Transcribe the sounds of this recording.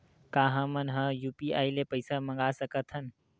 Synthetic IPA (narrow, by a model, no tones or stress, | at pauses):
kaːɦə̃mənɦə̃juːpia̰ːilepəɪsamə̃ŋɡasəkət̪ʰən